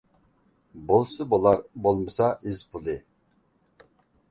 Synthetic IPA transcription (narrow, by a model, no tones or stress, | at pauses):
bolˠsɨbolˠɑɾbolˠmɨsɑizpʰulˠɪ